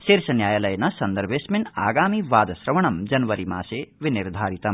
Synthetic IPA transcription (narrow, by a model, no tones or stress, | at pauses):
siɾsɐnjaːjɐlɐjnɐsɐnd̪ɐɾbesmina̰ːɡaːmiʋaːd̪ɐsɾɐʋɐɳɐmd͡ʒɐnʋɐɾima̰ːseʋiniɾd̪ʱaːɾit̪ɐm